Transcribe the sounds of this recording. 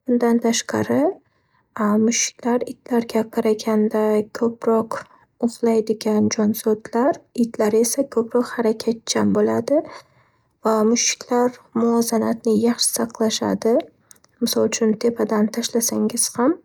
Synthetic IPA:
bʊnd̪ant̪ʰaʃqɑ̰ɾɪ | mʊʃɪ̥kʲlaɾɪt̪laɾɡʲaqʰɑɾaɡʲand̪akʲʰɵpɾɒq | ʊʁlˠajd̪ɪɡʲand͡ʒɒnsɒd̪laɾɪt̪laɾe̞sakʰɵpɾɒqhaɾakʲʰat̪̚t͡ʃʰambolad̪ɪ | vamʊʃɪ̥kʲʰlaɾmʊɒzanat̪nɪjɑχʃɪ̥sɑqlˠaʃa̰d̪ɪ | mɪsɒlˠt͡ʃʰʊnt̪ʰe̞pʰad̪ant̪ʰaʃlasaŋɪz̥ham

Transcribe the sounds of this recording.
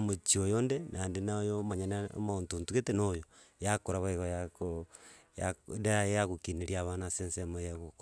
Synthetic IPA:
mot͡ʃiojondenʔandenaojomaɲanao̰montuntuɣetenojo | jakoɾaβoeɣojakojandajaɣukineɾiaβanasensemojaɣok

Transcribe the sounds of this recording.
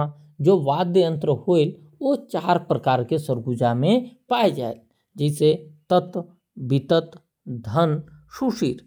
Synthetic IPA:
a | d͡ʒoːʋaːd̪jəjə̃nt̪ɾəhoel | ot͡ʃaːɾpɾəkaːɾkesəɾɡud͡ʒamẽpaːed͡ʒa̰ːel | d͡ʒɛːset̪ət̪ | bɪt̪ət̪ | d̪ʱənʃuʃiːɾ

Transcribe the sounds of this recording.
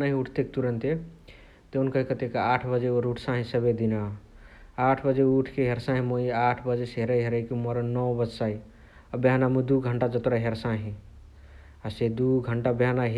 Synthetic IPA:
naɦĩuʈʰt̪ek̚t̪uɾənt̪e | t̪eunkəɦikət̪ekeaʈʰbəd͡ʒeoɾuʈʰsãɦĩsəbed̪ina | aʈʰbəd͡ʒeuʈʰkeɦeɾsãɦĩmoiaʈʰbəd͡ʒesɦeɾəjɦeɾəikimoɾənɔwbəd͡ʒsai | əbjanamũd̪uɡʱəɳʈad͡ʒət̪ɾaɦeɾsãɦĩ | ased̪uɡʱəɳʈabjanaɦ

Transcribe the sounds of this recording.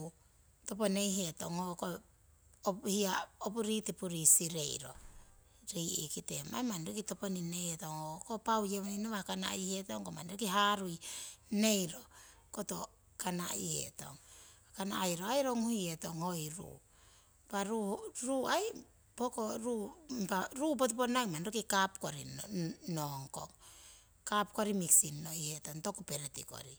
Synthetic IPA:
to̞pone̞jɦe̞to̞ŋhoko | ophiaopuɾitipuɾisiɾe̞jɾo̞̰ | ɾiʔḭkite̞ma̰jmanɾikito̞poninehetoŋhokopawjemoninoβakana̰ihe̞to̞ŋkomanɾekiɦaɾujne̞jɾo̞ko̞to̞ | kana̰ḭhḛto̞̰ŋakana̰jɾo̞ajɾoŋhuje̞to̞ŋho̞jɾṵ | paɾuɾuaj | poko̞ɾupaɾubot̬oponajmanɾokikapkoɾinoŋko̞̰ŋ | kapko̞ɾimiksinːo̞ihe̞to̞ŋto̞kupe̞ɾetḭko̞̰ɾi

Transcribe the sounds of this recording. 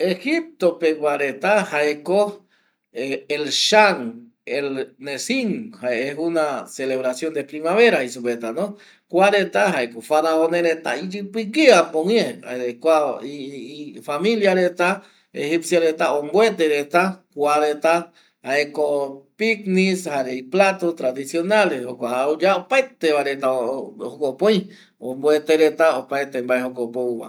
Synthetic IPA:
exip̚t̪opewʷaɾet̪ahaeko | eelʃaŋ | elnesiŋhaeeɦunaseleβɾasjond̪epɾimaβeɾahisopet̪anõ | kʷaɾet̪aɦaekofaɾaonẽɾet̪a̰id͡ʒɨpikiapoŋjẽa̰eekʷaifamĩljaɾet̪a | ḛhipsjaɾet̪aõmbwet̪eɾet̪akwaɾet̪a | haekopiknishaɾeiplat̪ot̪ɾaðisjo̞nalehokʷaud͡ʒaopaet̪eβaɾet̪aohokopõj̃ | õmboet̪eɾet̪aopaet̪embaeɦokopouwa̰

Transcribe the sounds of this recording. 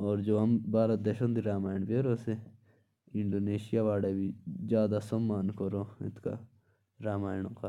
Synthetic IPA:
ɔːɾd͡ʒoːɦɐmbaːɾad̪eʃə̃nd̪iɾaːmaːjɳ̃beɾoːse | ɪɳɖoːneːʃijaʋaːɽebʱizjaːd̪asɐmːaːnkɐɾoːɪ̰t̪ka̰ | ɾaːmaːjɳ̃õka

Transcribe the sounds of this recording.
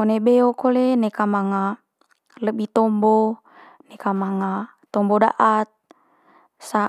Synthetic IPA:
onebeokolenekamaŋa | ləbit̪ɔmbɔ | nekamaŋa | t̪ɔmbɔda̰ʔat̪̚ | sa

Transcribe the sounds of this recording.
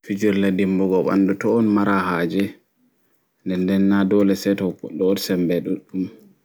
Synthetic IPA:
fid͡ʒuɾladimbɔɡɔɓa̰ndutɔːnmaɾaɦaːd͡ʒɛ | ndɛndɛnːadɔlɛsɛtɔɔɗɔdsɛmbɛɗuɗum

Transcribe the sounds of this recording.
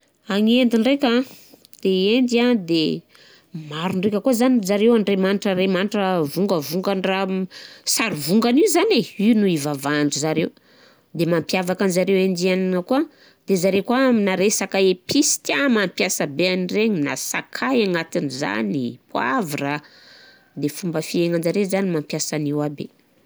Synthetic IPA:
aŋend̪iɳrekʲa | d̪̥eend̪iad̪e | maɾunrekʲəkuazanizaɾewaɳɖ͡ʐemaniʈ͡ʂaɾemaniʈ͡ʂəvuŋɡəvuŋɡanrasaɾivuŋɡanizaneinuivavaɳɖ͡ʐuzaɾew | d̪emampiavakanzaɾewend͡ʒianinəkua | d̪ezaɾekwaminaɾesakaepisi̥t̪amampjasəbeanireɲina̰sa̰kʰajaŋat̪iniza̰nipʰwavira | d̪efumbəfieŋanzaɾezanimampjasaniwabḛ

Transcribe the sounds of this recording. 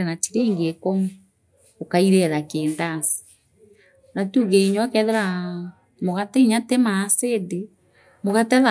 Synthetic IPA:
ɛnatiɾeːŋɡekɔmu | okaiɾɛðakeːndasi̥ | natuɣeiɲwakɛðɛɾa | moɣatɛiɲatemasede | moɣatɛða

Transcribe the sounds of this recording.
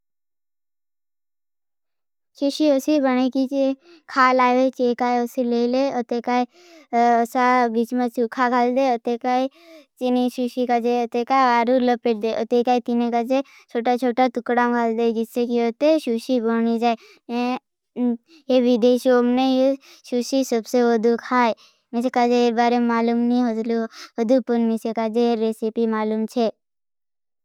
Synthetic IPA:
ʃiʃiosibəñekit͡ʃe | kʰaːlaːet͡ʃeːkaːeosileːleot̪ekaːe | osabit͡ʃmẽsukʰakʰald̪eot̪ekai | t͡ʃiniʃuʃikad͡ʒeot̪ekaːʋaːɾuləpeʈ̚d̪eʔot̪ekaːit̪inekad͡ʒe | t͡ʃʰoːʈat͡ʃʰoːʈat̪ʊkɽakʰald̪ed͡ʒɪsːekiot̪eʃuʃibʱoñid͡ʒaːe | e | jeʋid̪eːʃoːmneje | ʃuʃisəbseʋəd̪ukʰaːe | mesekad͡ʒeeɾbaːɾememaːluːmnĩɦəd̪luɦəd̪upunmisekad͡ʒeɾesipimaːluːmt͡ʃʰe

